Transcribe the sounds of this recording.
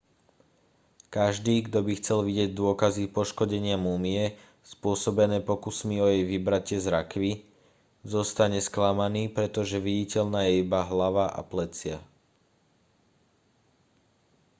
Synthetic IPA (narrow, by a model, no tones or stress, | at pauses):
kaʒd̪iːɡd̪ɔbixt͡sɛlʋiɟɪɛɟd̪ʊɔkazipɔʃkɔɟɛɲɪamumiɛ | spʊɔsɔbɛnɛːpɔkusmiɔjɛjʋibɾacɪɛzɾakʋi | zɔst̪aɲɛsklamaniːpɾɛt̪ɔʒɛʋiɟicɛʎnaːjɛibaɦlaʋaʔa̰plɛt͡sɪa